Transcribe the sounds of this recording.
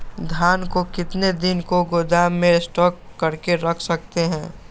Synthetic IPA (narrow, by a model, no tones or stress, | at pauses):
d̪ʱjaːnkokɪt̪ned̪ɪnkoɡod̪aːmẽsʈɔːkːɐɾkeɾɐkʰsɐk̚t̪eɦɛ̃ː